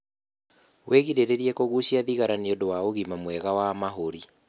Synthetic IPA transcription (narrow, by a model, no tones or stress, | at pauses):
wʔeɣiɾeɾeɾiɛkoɣuɕiaðiɣaɾaneondowaoɣimamwɛɣawamaɦoɾi